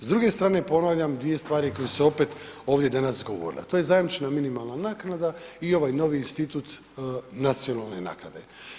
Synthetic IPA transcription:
zd̪ɾuɡe̞st̪ɾaːne̞po̞naʋʎamd̪ʋije̞st̪ʋaːɾiko̞jeseo̞pet̪o̞ːʋd̪je̞d̪anasɡo̞ʋo̰ɾḭlḛt̪oje̞zajimt͡ʃenaminimalˠnanaːknad̪aio̞ʋajno̞ʋiːnst̪it̪ut̪ | nat̪sio̞nalˠne̞na̰ːknad̪e̞̰

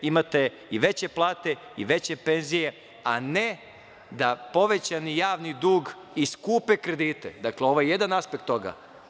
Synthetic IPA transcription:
imat̪e̞ | iʋe̞t͡ɕe̞plˠaːt̪e̞ḭʋe̞t͡ɕe̞pe̞nzije̞ | ane | d̪apo̞ʋe̞t͡ɕanijaːʋnid̪uːɡ | iskuːpekɾe̞d̪iːt̪ḛd̪akleo̞ʋojeje̞d̪anaspekt̪ːo̞ɡa̰

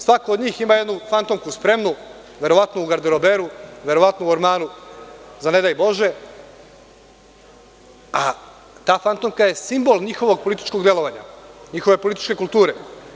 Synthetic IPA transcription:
sʋakoːd̪ɲiːximajed̪nufant̪omkuspɾe̞mnu | ʋʲje̞ɾo̞ʋat̪nouɡaɾd̪eɾobeɾuʋje̞ɾo̞ʋat̪nouoɾmaːnu | zane̞d̪ajbo̞ʒe̞ | a | t̪aːfant̪omkaje̞simbo̞lɲixo̞ʋo̞ɡ̚po̞lit̪i̥t͡ʃko̞ɡd̪je̞lˠo̞ʋaɲa̰ɲixo̞ʋe̞polit̪i̥t͡ʃke̞kulˠt̪uːɾe

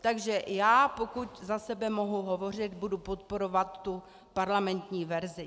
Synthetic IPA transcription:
t̪aɡʒɛjaːpo̞kuczasɛbɛmoɦuɦo̞vo̞r̝ɪd̪budupot̪̚po̞ɾo̞vat̪ːu | paɾlamɛnt̪ɲiːvɛɾzɪ

